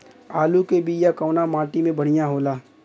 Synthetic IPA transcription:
aːlukebijakɔʊnamaːʈimẽbəɽ̤ijaɦoːlaː

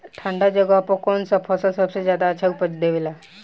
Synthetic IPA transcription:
ʈʰãɳɖad͡ʑəɡapɔkɔnsəpʰɔsɔsəbsed͡ʑjad̪aːt͡ɕʰaupət͡ɕd̪eʋela

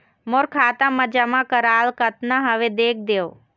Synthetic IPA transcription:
moɾkʰaːt̪ãməd͡ʒamãkəɾaːlkət̪naɦəʋed̪eːk̚ʰd̪eːo

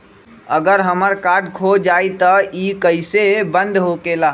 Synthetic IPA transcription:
əɡəɾɦəməɾkaɾɖkʰod͡ʒait̪əikəɪsebənd̪ɦokela

